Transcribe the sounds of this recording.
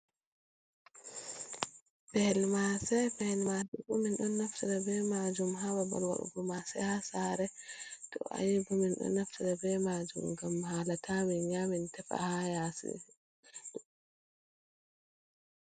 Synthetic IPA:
b̥ɛlmasɛbɛlmasɛbuminɗɔnːaftaɗabɛmad͡ʒumɦawaba̰lwa̰ɗṵɡɔmasɛ̰hasaɾɛtɔ̰ʔa̰jibuminɗɔ̰nːaftaɗabɛmad͡ʒṵmɡamhalatʰaminɲamintɛfa̰hajasɛ̰

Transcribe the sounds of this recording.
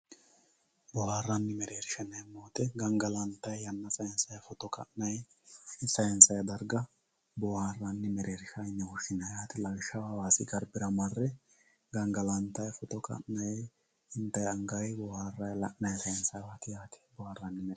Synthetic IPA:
bɔhaːrːɐnːɪmɛɾeːɾʃɐnɐjmːoːt̪ɛɡɐŋɡɐlɐnt̪ːɐjjɐnːɐt͡sʼɐjɛnsɐjfɔt̪ɔkɐ̰ʔnɐj | sɐjnsɐjd̪ɐɾɡɐ | bɔharːɐnːɪmɛɾeːɾʃɐjnːɛwʊʃɪnɐjaːt̪ɪlɐlʃɐwawaːsɪɡɐɾbɪɾɐmɐrːɛ | ɡɐŋɡɐlɐnt̪ːɐjfɔt̪ɔkɐ̰ʔnɐj | ɪnt̪ːɐjɐŋɡɐjbɔhaːrːɐjlɐʔnɐjsɐjnsɐjwaːt̪ɪjaːt̪ɪ̥bɔhaːrːɐnːɪm

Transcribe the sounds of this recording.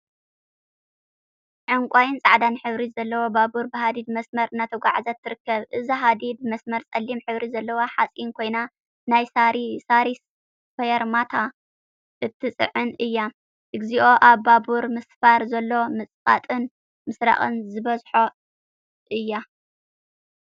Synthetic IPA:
ʕɨŋkʷʼajɪnt͡sʼaʕd̪anħɨβɾizɐlːɐwobabuɾbɨɦad̪id̪̚mɐsmɐɾɨnat̪ʰɐɡʷaʕzɐt̪ʰːɨɾɨkːɐβʔɨziɦad̪id̪̚mɐsmɐɾt͡sʼɐlːimħɨβɾizɐlːɐwoħat͡sʼinkʰo̞jna | najsaɾisaɾis | fɐjɐɾmat̪ʰa | ʔɨt̪ʰːɨt͡sʼɨ̰ʕɨnʔɨjːa | ʔɨɡziʔo̞ʔaβːabuɾmɨsfaɾzɐlːo̞mɨt͡sʼfʼa̰t̪ʼɨn | mɨsɾa̰χʼɨ̰nzɨβɐzħo | ʔɨjːa

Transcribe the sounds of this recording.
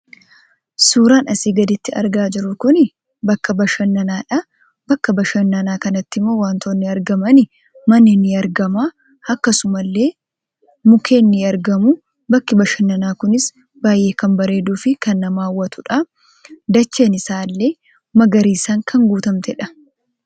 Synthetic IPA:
suːɾaːnɐsiːɡɐd̪ɪt̪ːɪɐ̰ɾɡaːd͡ʒɪɾʊkʊnɪ | bɐkːɐbɐʃɐnːɐnaːᶑɐ | bɐkːɐbɐʃɐnːɐnaːkɐnɐt̪ːɪmoːwaːnt̪ʰoːnːɪɐɾɡɐmɐnɪ | mɐnːɪnːɪɐɾɡɐmaː | ɐkːɐsʊmɐlːe̞ː | mʊkʰe̞ːnːɪɐɾɡɐmʊ | bɐkːɪbɐʃɐnːɐnaːkʊnɪs | baːjʔe̞ːkɐmbɐɾe̞ːd̪uːfɪkɐnːɐmaːwːɐt̪ʊᶑɐ | d̪ɐt͡ʃːe̞ːnɪsaːlːe̞ː | mɐɡɐɾiːsaːŋkʰɐŋɡuːt̪ɐmt̪ɛᶑɐ

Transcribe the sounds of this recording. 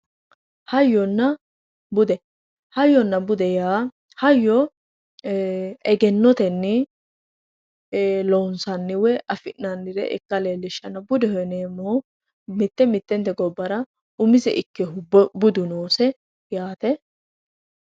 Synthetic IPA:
hɐjːɔnːɐ | bʊd̪ɛ | hɐjːɔnːɐbʊd̪ɛjaː | hɐjːɔ | ɛɡɛnːɔt̪ɛnːɪ | lonsɐnːɪwɛʔɐfɪʔnːɐnːɪɾɛ̰ʔɪ̰kːɐleːlːɪʃːɐnɐbʊd̪ɛhɛneːmːoː | mɪt̪ːɛmɪt̪ːɛnt̪ːɛɡɔbːɐɾɐ | ʊmɪzɛʔɪkːɛɦʊbʊd̪ʊnoːsɛ | jaːt̪ɛ

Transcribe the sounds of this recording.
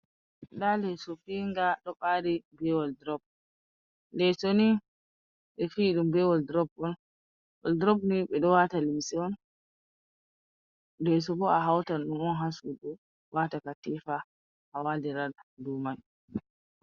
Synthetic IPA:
ɗalɛsɔfiŋɡaɗɔɓaɾibɛwɔldɾɔb̚ | lɛsoni | ɓɛfiɗumbɛwɔldɾɔbɔn | ɔldɾɔbniɓɛɗɔwatalimsiɔn | dɛs̬ɔbɔaɦawtanɗumɔnɦasuɗɔ | watakatifa | hawaldiɾaldumaj

